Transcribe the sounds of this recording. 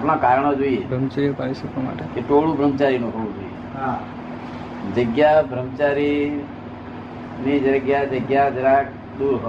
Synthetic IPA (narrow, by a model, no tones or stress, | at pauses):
apɳ̃ãkaɾɳ̃od͡ʒoiebɾəmt͡ʃaɾijopaɾiʃəkoma̰ʈekeʈʰoɽũbʱɾəmt͡ʃaɾinũɦəʋũd͡ʒoːijeɦa | d͡ʒəɡjabʱɾəmt͡ʃaɾi | nid͡ʒəɾəɡjad͡ʒəɡjad͡ʒəɾak | d̪uːɾɦ